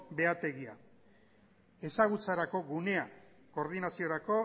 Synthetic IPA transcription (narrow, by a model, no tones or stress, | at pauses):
be̞at̪e̞ɣia̰ | e̞saɣ̞ut͡saɾako̞ɣune̞a | ko̞ɾðinasio̞ɾako̞